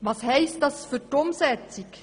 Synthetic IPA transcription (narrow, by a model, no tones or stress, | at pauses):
ʋɑːshɛɪst̚dɑsfʏɾtʊmsɛt͡sik